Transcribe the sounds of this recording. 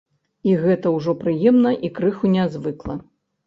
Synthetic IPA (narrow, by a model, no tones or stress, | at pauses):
iɣɛt̪ɐwʐɔpɾɨjɛmnɐʔikɾɨxunʲazvɨklˠɐ